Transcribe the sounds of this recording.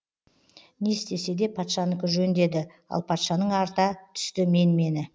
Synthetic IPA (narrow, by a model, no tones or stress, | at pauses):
nest̪e̞se̞d̪e̞pʰɑt̪ʃɑnəkʲʏʒɵnd̪e̞d̪ɪ | ɑ̰lˠpʰɑt̪ʃɑnəɴɑɾt̪ɑt̪ʰʏ̥st̪ɪme̞nme̞nɪ